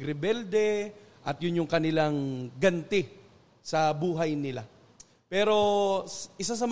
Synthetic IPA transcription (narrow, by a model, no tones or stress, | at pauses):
ɾɪbɛld̪ɛʔɐt̪̚jʊnjʊŋkɐnɪlaŋɡɐnt̪ɪ | sɐbuːɦɐjnɪla̰ | pɛːɾo̞ | ʔɪs̬as̬ɐm